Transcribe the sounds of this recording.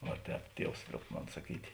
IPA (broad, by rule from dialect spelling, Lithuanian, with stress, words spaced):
ˈʋɐ ˈtʲɛːp ˈtʲiɛws ˈlʲoːʊp ˈmoːn sɐˈkʲiːtʲeː